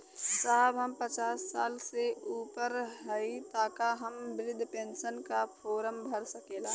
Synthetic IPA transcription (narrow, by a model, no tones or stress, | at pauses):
saːɦbɦɐmpət͡ʃaːsːaːlseuːpəɾɦɐit̪aːkaɦɐmbɪɾɪd̪ʱpẽːnʃənkafʰoːɾəmbʱəɾsɐkeːlaː